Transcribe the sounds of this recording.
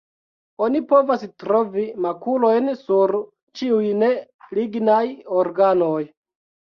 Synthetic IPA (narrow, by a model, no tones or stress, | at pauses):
o̞nipo̞vastɾo̞vimakulo̞jnsuɾ | t͡ʃiujne̞liɡnajoɾɡanoj